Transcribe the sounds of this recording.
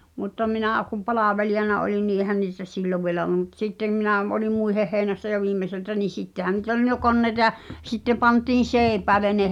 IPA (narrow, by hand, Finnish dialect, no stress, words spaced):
mutːɑ minæ̠ˑ kum̆ pɑlɑʋelijɑnɑ olin ni ʔehæn niːtæ silːoʋ ʋielæ olŭm mut sitːem minæˑ m oli muiheh heˑinæsːæ jo ʋiːmːeseltæ niː sitːehæ niːt ol n jo konːeĭtɑ j̆ɑ sitːe pɑntiːn̞ seːĭpæːlen ne